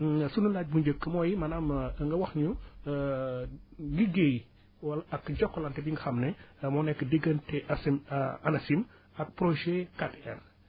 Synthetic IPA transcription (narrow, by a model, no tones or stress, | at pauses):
sunulaːc̚buɲɟəkːəmɔːjimɐnaːmŋɡɐwɐxɲu | ɡiɡej | wɐlɐɐkɟɔkːɔlɐntɛbiŋɡɐxɐmnɛmɔːnɛkːədəɡːəntɛʔɐsimɐnɐsim | ɐk̚pɾoʒɛkatɛn